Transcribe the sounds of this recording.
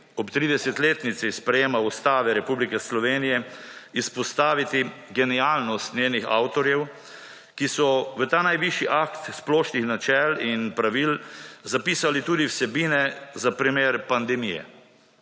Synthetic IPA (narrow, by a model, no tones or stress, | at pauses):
ɔpt̪ɾiːd̪ɛsɛt̪leːt̪nit̪sispɾɛjeːmaust̪aːʋɛɾɛpublikɛslɔʋeːnijɛispɔst̪aːʋit̪iɡɛniaːlnɔst̪neːnixa̰wt̪ɔɾjɛw | kisɔʋət̪aːnajʋiʃiʔakt̪splɔːʃnixnat͡ʃɛlinpɾaʋilzapiːsalit̪uːd̪iwsɛbiːnɛzapɾimeːɾpand̪ɛmijɛ̰